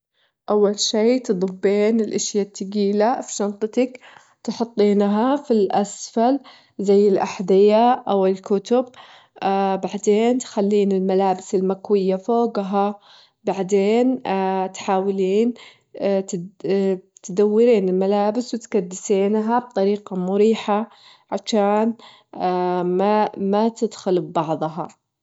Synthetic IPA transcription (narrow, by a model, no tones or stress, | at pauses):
ʔawːalʃiːt̪ɨd̪ˤɑbːeːnɪlʔɪʃjat̪ːaɡiːlafi̥ʃɑnt̪ˤɨt̪ɑk | t̪ħʊt̪ˤːiːnɦafilʔasfal | zajːɪlʔaħd̪ɪjaʔawɪlkʊt̪ʊb̚ | baʕd̪eːnt̪xalːiːnɪlmalaːbɪsɪlmakwɪjːafoːɡɦa | baʕd̪eːnt̪ħaːwliːn | t̪d̪awːɪɾiːnɪlmalaːbɪswɪt̪kad̪ːɪseːnɦab̚t̪ˤɑɾiːqɑmʊɾiːħa | ʕaʃaːn | amat̪ɪd̪xʊlbbɑʕðˤɦɑ